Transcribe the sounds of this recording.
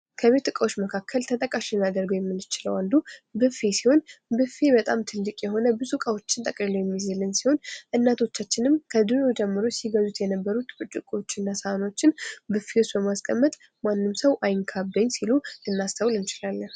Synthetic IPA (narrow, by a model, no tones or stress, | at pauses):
kʰəβe̞t̪ːɨkʼəwo̞t͡ʃːməkʰakʰːəlt̪ʰət̪ʼəkʼaʃinad̪əɾɡəwjɛmːɨnːɨt͡ʃɪləwand̪ubɨfesiho̞nbɨfebət̪ʼamt̪ʰɨlːikʼjɛɦo̞nəbɨzukʼawo̞t͡ʃːɪnt̪ʼəkʼliləwjɛmːizɨlːɨnsiho̞nʔɨnːat̪ʰo̞t͡ʃːat͡ʃːɪnɨmkʰəd̪ɨɾod͡ʒɛmːɨɾosiɡəzut̪jɛnəbːəɾut̪ɨt͡ʃʼːɨkʼo̞t͡ʃːɨnːasəano̞t͡ʃːɪnbɨfewosbəmaskʼəmːət̪ʼ | manːɨmsəwʔajŋkʰabːəɲːsiluɨnːast̪ʰəwlɨnt͡ʃɪlalːəh